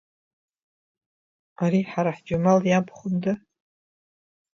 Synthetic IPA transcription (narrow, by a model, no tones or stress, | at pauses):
aɾiħaɾaħd͡ʒʊmaljabʰχʷʊmdɨ